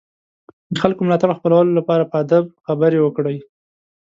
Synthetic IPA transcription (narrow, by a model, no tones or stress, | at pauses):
d̪əxalkomlɑt̪aɽəxpəlawəlolapɑɾapəad̪ab̚xabəɾewəkɽəj